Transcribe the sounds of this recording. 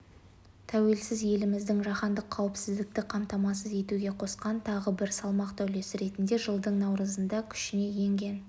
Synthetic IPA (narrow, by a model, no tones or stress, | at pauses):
t̪ʰæwe̞lsɪzje̞lɪmɪzd̪ɪŋʒɑχɑnd̪əqʰːɑwɪpsɪzd̪ɪk̚t̪ɪqʰɑmt̪ɑmɑsəze̞t̪uɡʲe̞qʰo̞sqɑnt̪ʰɑʁəbɪɾsɑlˠmɑqt̪ʰæwle̞sɪɾe̞t̪ɪnd̪e̞ʒəlˠd̪əɴnɑwɾəzənd̪ɑkʲʰʏ̥ʃɪne̞je̞ŋɡʲe̞n